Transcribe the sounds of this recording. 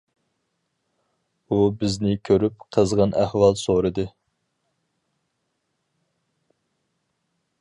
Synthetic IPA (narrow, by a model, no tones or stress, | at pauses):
ubɪznɪkʲʰøɾyp̚qʰəzʁɑnʔæhwɑlˠsoɾɨd̪ɨ